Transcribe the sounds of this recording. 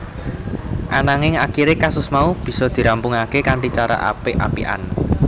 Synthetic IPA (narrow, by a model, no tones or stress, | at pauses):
ʔanaŋɪŋakiɾekasʊsmaub̥i̤sɔd̪̥i̤ɾampuŋakekaɳʈit͡ʃaɾa̰ʔa̰peʔa̰pḭʔa̰nək